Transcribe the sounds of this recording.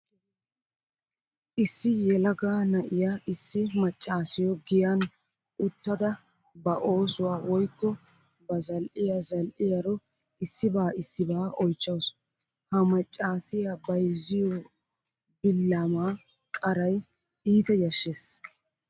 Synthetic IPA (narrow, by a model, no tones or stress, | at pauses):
ʔɪsːɪjɛlɐɡaːnɐʔɪjaʔɪsːɪmɐt͡ʃʼːaːsɪjɔɡɪjan | ʔʊt̪ːɐd̪ɐ | bɐʔo̞ːsʊwaːwɔjkːɔ | bɐzɐlʔɪjazɐlʔɪjɐɾɔ | ɪsːɪbaːɪsːɪbaːʔɔjt͡ʃːɐws | hɐmɐt͡ʃʼːaːsɪjabɐjzːɪjɔ | bɪlːaːmaː | kʼɐɾɐj | iːt̪ɛjɐʃːeːs